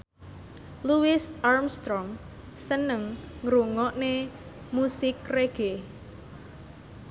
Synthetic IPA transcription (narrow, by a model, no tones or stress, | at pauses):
luwɪsarmst̪ɾɔŋ | sənəŋːɾuŋɔʔne | musɪkreɡ̥e